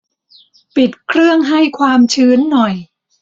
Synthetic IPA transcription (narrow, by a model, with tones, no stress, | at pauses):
pi˨˩t̪̚kʰɾɯ˥˩əŋɦa˥˩jkʰwaː˧mt͡ɕʰɯː˦˥nːɔ˨˩j